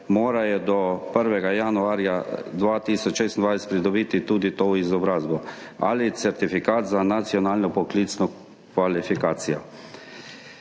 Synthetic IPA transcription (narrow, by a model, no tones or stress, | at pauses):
moːɾajɛd̪ɔpəɾʋɛɡajanuaːɾjad̪ʋaːt̪iːsɔt͡ʃʃeːst̪nd̪ʋansʲt̪pɾid̪ɔbiːt̪it̪uːd̪it̪oːizɔbɾaːzbɔ | a̰lit̪sɛɾt̪ifikaːt̪zanat̪sjɔnaːlnɔpɔkliːt̪snɔ | kʋalifikaːt̪sijɔ